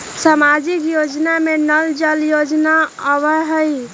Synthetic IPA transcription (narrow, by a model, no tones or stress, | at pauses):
samad͡ʒikjod͡ʒnamenəld͡ʒəljod͡ʒnaəβəɦəj